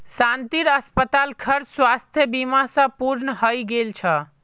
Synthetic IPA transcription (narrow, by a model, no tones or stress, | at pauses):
sant̪iɾəspət̪alkʰəɾt͡ʃswast̪ʰjəbimasə̃puɾnəɦəjɡelt͡ʃʰə